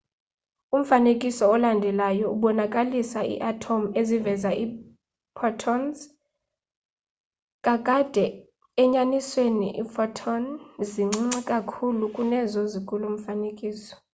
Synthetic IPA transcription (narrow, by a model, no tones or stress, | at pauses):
um̩fanekʼisɔːlandʱɛlajɔuɓɔnakʼalisaḭʔatʰomezivɛzai | pʰɔtʰɔnz | kʼakʼad̥ʱɛ | ɛɲaniswenḭʔḭpʰɔtʰɔnziŋ͡ǀŋ͡ǀɛkʼakʰulukʼunɛzɔzikʰʼulum̩fanekʼiːsɔ̥